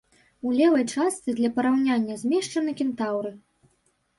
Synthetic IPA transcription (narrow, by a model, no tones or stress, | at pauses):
ulʲɛvɐjt͡ʂast̪sɨd̪lʲɐpɐɾawnʲanʲːɐzʲmʲɛʂt͡ʂɐnɨkʲint̪awɾɨ